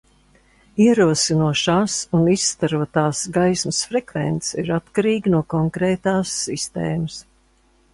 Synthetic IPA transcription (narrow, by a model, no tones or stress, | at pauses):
iɛɾuɔsinuɔʃaːsunisːt̪aɾuɔt̪aːsɡajsmɐsfɾɛkvɛ̰nt̪siɾat̪kaɾiːɡnuɔkɔŋkɾɛːt̪aːsːist̪ḛːmɐs